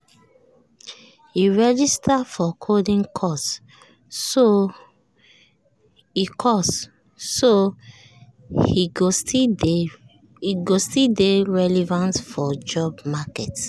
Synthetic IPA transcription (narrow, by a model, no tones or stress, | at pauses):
hiɹɛd͡ʒistʰafɔkʰodĩŋkʰɔsː | o | ikʰɔs | so | hioti | iɡostideɹɛlɛvãntfɔd͡ʒɔbmakɛt